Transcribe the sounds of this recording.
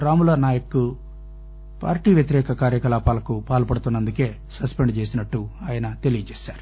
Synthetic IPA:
ɾaːmulaːnaːjɐkːu | pa̰ːɾʈiːʋjɐt̪̬iɾɛːkɐkaːɾjɐkɐlaːpaːlɐkupaːlupɐɽut̪unːɐnd̪uke̞ː | sɐspeɳɖt͡ʃeːsinɐʈːuaːjɐnɐt̪e̞lijɐt͡ʃeːsaːɾu

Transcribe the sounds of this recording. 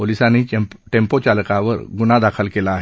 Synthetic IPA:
olisaniʈempot͡ɕalkaʋə̰ɾɡunad̪akʰəlkelaːɦ

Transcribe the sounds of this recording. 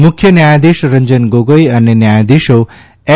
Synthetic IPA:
mukʰjənjajad̪iʃɾəɲd͡ʒənɡoɡəjɐnːenjajad̪iʃo | ɛ

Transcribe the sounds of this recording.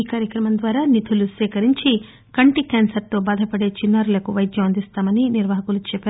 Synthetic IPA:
iːkaːɾjɐkɾɐmɐnd̪ʋaːɾaːnit̪ʰulusɛːkɐɾiɲt͡ʃi | kɐɳʈikaːnsɐɾt̪o̞ːbaːd̪ʱɐpɐɽe̞ːt͡ʃinːaːɾulɐkuʋɐjd̪ʱjɐɐnd̪ist̪aːmɐniniɾʋaːɦɐkulut͡ʃɛpːeːɾ

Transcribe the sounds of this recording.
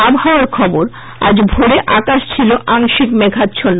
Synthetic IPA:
abʱɦaoaɾkʰɔboɾ | a̰d͡ʑbʱoɽeʔakaʃt͡ɕʰiloʔaŋʃikmeɡʱat̪ːt͡ɕʰon

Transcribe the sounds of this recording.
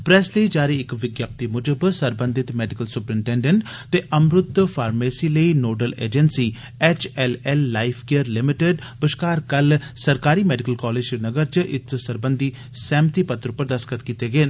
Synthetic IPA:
pɾɛːsləiːd͡ʒaːɾeːɪkʋɪɡjaːp̚t̪imʊd͡ʒəbsəɾbə̃nd̪ɪt̪mɛːɖɪkəlsʊpɾɪɳʈɛːɳɖeɳʈt̪eːʔəmɾʊt̪ːpʰaːɾmeːsiːləiːnoːɖəlḛːd͡ʒənsiː | ɛːt͡ʃɛlɛlːaːɪpʰkeəɾlɪmɪʈeɖbɪʃkaːɾkəlsəɾkaːɾiːmɛːɖɪkəlkɔːleːd͡ʒnəɡəɾt͡ʃʔɪ̰t̪ʰsəɾbə̃nd̪i | sɛ̃ːmt̪iːpət̪ɾʊpːəɾd̪əskət̪kiːt̪eɡeːn

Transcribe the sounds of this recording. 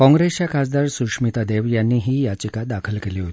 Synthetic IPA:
kɔ̃ŋɡɾest͡ɕjakʰad͡zd̪aɾsukʂmit̪ad̪eʋjanːiːɦiːjat͡ɕikad̪akʰəlkeliːɦot̪i̥

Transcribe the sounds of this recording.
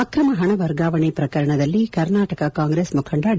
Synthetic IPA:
ɐkɾɐmɐɦɐɳɐʋɐɾɡaːʋɐɳepɾɐkɐɾɐɳɐd̪ɐlːikɐɾnaːʈɐkɐkaːŋɡɾeːsmukʰɐɳɖaɽ

